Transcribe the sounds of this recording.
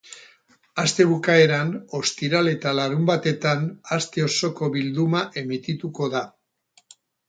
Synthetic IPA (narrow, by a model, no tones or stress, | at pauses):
ast̪e̞βukae̞ɾano̞st̪iɾale̞t̪alaɾumbat̪e̞t̪anast̪e̞o̞so̞ko̞βild̪umaʔe̞mit̪it̪uko̞ða